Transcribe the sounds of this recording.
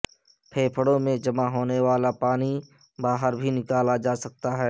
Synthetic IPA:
pʰeːpʰəɽõmẽd͡ʒɐmaɦoːneʋaːlapaːni | baːɦəɾbʱinɪkaːlad͡ʒaːsɐk̚t̪aɦɛː

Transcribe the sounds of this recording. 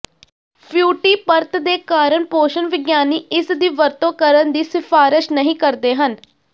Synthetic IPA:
pʰjuːʈiːpəɾt̪d̪eːkaːɾəɳpoːʃənʋɪɡjaːniːʔɪsd̪iːʋəɾt̪õːkəɾənd̪iːsɪfʰaːɾɪʃnəɦĩːkəɾd̪eːɦən

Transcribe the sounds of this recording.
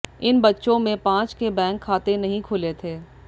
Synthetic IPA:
ɪnbɐtːʃõmẽpãːt͡ʃkebɛ̃ːŋkʰːaːt̪enɐɦĩkʰʊlet̪ʰeː

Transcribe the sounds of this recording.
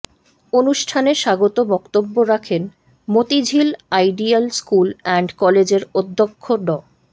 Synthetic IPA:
onuʃʈʰaneʃaɡot̪obɔkt̪obːoɾakʰen | mot̪id͡ʑʱilajɖialskulɛɳɖkɔled͡ʑeɾod̪ʱːokʰːoɖɔ

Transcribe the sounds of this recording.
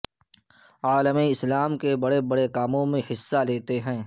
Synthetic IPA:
aːləmiɪslaːmkebɐɽebɐɽekaːmõmẽhɪsːaleːt̪eɦɛ̃ː

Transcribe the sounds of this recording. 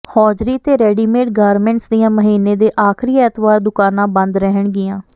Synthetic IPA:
hɔːd͡ʒɾiːt̪eːɾɛːɖiːmeːʈ̚ɡaːɾmɛ̃ːɳʈsd̪ijãːməɦiːnːeːd̪eːʔaːkʰɾiːɛːt̪ʰbaːɾd̪ʊkaːnãːbənd̪ɾəɦəɳɡɪjãː

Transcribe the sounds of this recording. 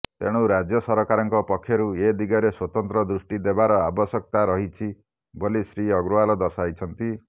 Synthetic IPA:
t̪eɽ̃uɾad͡ʒjɔsɔɾɔkaɾɔŋkɔpɔkʰːjɔɾued̪iɡaɾeswɔt̪ɔnt̪ɾɔd̪ɾusʈid̪ebaɾɔabɔsɔk̚t̪aɾɔɦit͡ʃʰi | bolisɾiɔɡɾualɔd̪ɔɾsajt͡ʃʰɔnt̪i

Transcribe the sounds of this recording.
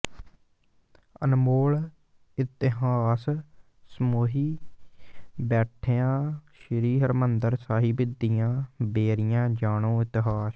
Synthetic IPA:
ə̰nmoːl | ɪt̪ɪɦaːs | smoːɦiː | bɛːʈʰeːãːʃəɾiːɦəɾmənd̪əɾsaːɦiːbɪd̪ɪjãːbeːɾɪjãːd͡ʒaːɽõːɪt̪ɪɦaːs

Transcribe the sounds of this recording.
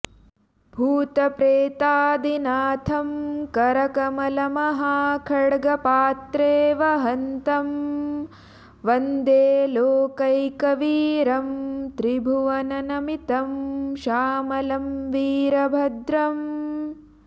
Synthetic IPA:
bʱuːt̪ɐpɾeːt̪aːd̪inaːt̪ʰɐmkɐɾɐkɐmɐlɐmɐɦakʰɐɽɡɐpaːt̪ɾeːʋɐɦɐnt̪ɐm | ʋɐnd̪eːloːkɐjkɐʋiːɾɐmt̪ɾibʱuʋɐnɐnɐmit̪ɐmʃaːmɐlɐmʋiːɾɐbʱɐd̪ɾɐm

